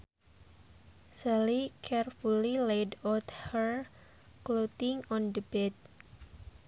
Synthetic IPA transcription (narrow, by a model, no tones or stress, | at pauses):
salikʰɛrfulilejdat̪həɹ | klot̪ɪŋɔndəbɛt̪̚